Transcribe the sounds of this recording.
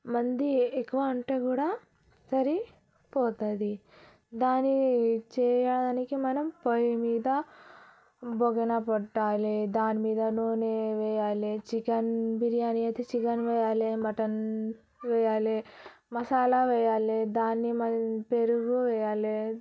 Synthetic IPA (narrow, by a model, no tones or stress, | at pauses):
mɐnd̪iekːuʋɐːɳʈeːkuːɽaː | sɐɾi | pɔːt̪ɐd̪i | d̪aːnit͡ʃɛːjaɽɐd̪aːnikimɐnɐmpɐjmiːd̪ɐ | boɡɐnɐpɐʈːaːled̪aːnimiːd̪ɐnoːneːʋɛjaːlet͡ʃikɐnbiɾijaːniɐjt̪eːt͡ʃikɐnʋɛjaːlemɐʈɐn | ʋɛjaːle | mɐsaːlaʋɛjaːled̪aːnːimɐpeɾuɾuʋɛjaːle